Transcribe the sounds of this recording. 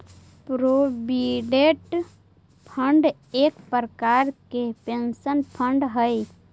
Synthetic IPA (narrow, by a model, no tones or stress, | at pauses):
pɾobiɖeʈ | pʰəɳɖ | ekpɾəkaɾkepensənpʰəɳɖɦəj